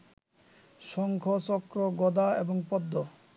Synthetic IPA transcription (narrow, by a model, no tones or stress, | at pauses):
ʃɔŋkʰot͡ɕɔkɾoɡɔd̪aeboŋpɔd̪ːo